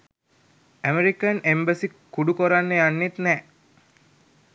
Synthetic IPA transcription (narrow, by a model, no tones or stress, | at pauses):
æmeɾikənembəsikːuɖukoɾanːəjanːet̪nɛː